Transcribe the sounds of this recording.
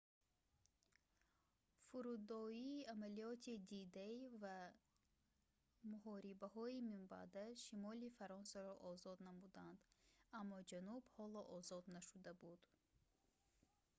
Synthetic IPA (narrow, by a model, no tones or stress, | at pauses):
fuɾud̪ɔiːamaliɔt̪ʰid̪id̪aiva | muhɔɾibahɔimimba̰d̪aʃimɔlifaɾɔnsaɾɔʔɔzɔd̪namud̪and̪amːɔd͡ʒanubhɔlɔʔɔzɔd̪naʃud̪abud̪̥